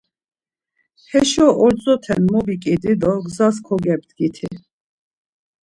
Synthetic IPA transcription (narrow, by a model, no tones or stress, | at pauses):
hɛʃɔʔɔɾt͡sʼɔt̪ʰɛnmɔbikʼid̪id̪ɔɡzaskʰɔɡɛb̚d̪ɡit̪ʰi